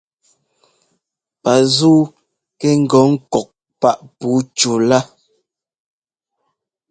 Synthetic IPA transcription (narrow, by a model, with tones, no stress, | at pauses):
pa˨zuː˦ | kɛ˦ŋ̩˨ɡɔ˨˦ŋ̩˦kɔ˨k̚ | pa˦˨ʔpu˨˦t͡ʃu˨la˦